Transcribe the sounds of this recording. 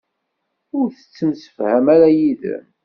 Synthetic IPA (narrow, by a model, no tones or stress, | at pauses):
ʊɾθə̥t͡sːəmsə̥fhæmæɾæjiðə̰m